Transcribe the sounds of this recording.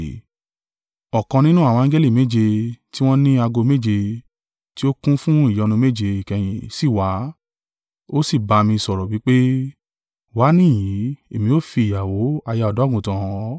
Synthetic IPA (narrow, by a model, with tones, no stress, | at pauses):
ɔ˨kɔ̃˧nĩ˦nũ˦a˦˨w̃ɔ̃˧ã˦d͡ʒɛ˦li˦˨me˨˦d͡ʒe˧ti˦w̃ɔ̃˦nĩ˦a˧ɡo˧me˦d͡ʒe˧ | ti˦o˦kũ˦fũ˦i˦˨jɔ˨˧nũ˧me˦d͡ʒe˧i˨kɛ˧j̃ĩ˨si˦˨wa˨˦ | o˦si˦˨ba˧mĩ˧sɔ˨ɾɔ˨wi˨˦k͡pe˦ | wa˨˦nĩ˦˨j̃ĩ˨˦e˨mĩ˧o˦fi˧i˨ja˨wo˨˦a˧ja˧ɔ˨dɔ˨˦ɡũ˨tã˨˦